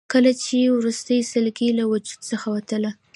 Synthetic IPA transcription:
kəlat͡ʃewɾust̪əjsəlɡelawʊd͡ʒud̪səxawat̪əla

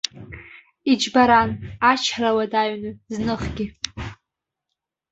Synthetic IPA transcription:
id͡ʒbaɾanat͡ʃʰrawadaɥnɨznɨχɡʲɪ

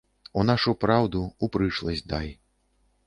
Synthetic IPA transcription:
unaʂupɾawd̪uupɾɨt͡ʂlˠɐzʲd̪aj

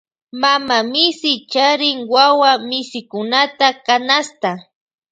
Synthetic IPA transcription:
mamamɪsɪt͡ʃaɾɪŋwawamɪsɪkʊnat̪akanast̪a

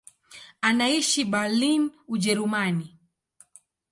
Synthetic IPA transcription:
anaiʃibalinud͡ʒɛɾumani

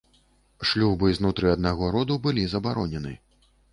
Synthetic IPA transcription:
ʂlʲubɨznut̪ɾɨɐd̪naɣɔɾɔd̪ubɨlʲizɐbaɾɔnʲɛnɨ̰

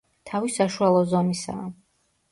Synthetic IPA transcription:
t̪ʰavisaʃualˠɔzɔnisa̰ː

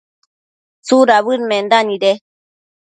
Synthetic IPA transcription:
t͡suɾaβɨɾmẽnd̪anĩɾe

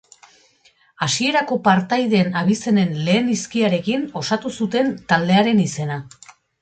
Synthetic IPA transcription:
asie̞ɾako̞paɾt̪ajðe̞ːnaβ̞ise̞ne̞nle̞ːniskiaɾe̞kino̞sat̪usut̪e̞nt̪ald̪e̞aɾe̞nise̞na

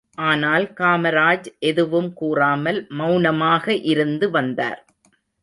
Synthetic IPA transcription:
ʔaːnaːlkaːmɐɾaːd͡ʒʔɛðɯʋɯmkuːraːmɐlmɐʊnɐmaːɣɐʔɪɾɯnd̪ɯʋɐnd̪a̰ːɾ

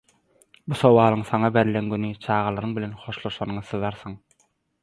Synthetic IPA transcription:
buso̞wɑːlˠɯŋθɑŋɑbeɾilenɡynyt͡ʃʰɑːʁɑlˠɑɾɯŋbilʲenχo̞ʃlˠoʃɑnɯɴɯθɯðɑɾθɯŋ

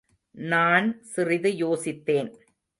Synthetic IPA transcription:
naːnsɪrɪðɯjoːsɪt̪ːeːn

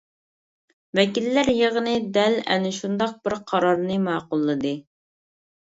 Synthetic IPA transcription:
vɛkʲilːæɾjəʁənɨd̪ɛlɛ̰nɪʃund̪ɑq̚bɪɾqʰɑɾɑɾnɨmɑːqʊlˠːɨd̪ɨ

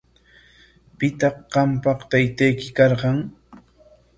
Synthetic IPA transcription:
pɪt̪ɑχɢɑmpɑqt̪ajt̪ajkɪkɑɾɢɑŋ

